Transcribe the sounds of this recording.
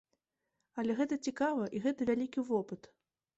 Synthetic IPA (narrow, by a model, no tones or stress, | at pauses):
ɐlʲɛɣɛt̪ɐt͡sʲikavɐʔiɣɛt̪ɐvʲalʲikʲivɔpɨt̪